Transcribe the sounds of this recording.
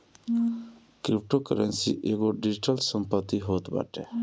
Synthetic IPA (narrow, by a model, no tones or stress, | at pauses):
kɾip̚ʈokəɾənsḭʔeːɡoɖid͡ʒiʈəlsəmpət̪ːiɦoːt̪ba̰ːʈe